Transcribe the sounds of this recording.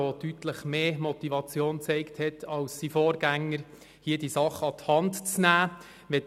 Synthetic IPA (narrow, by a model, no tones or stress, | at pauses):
otytləχmeːmɔt̪ivɑt͡sjoːnt͡sɛɪkthɛtʰɑlsːifoːɾɡ̥æŋːəɾ | hiədisɑχəɑt̪hɑntt͡snæː | ʋɛ